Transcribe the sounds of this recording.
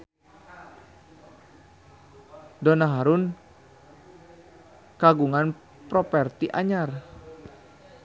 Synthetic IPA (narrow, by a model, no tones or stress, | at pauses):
dɔnaɦaɾʊn | kaɡuŋan | pɾɔpɛrt̪iʔa̰ɲar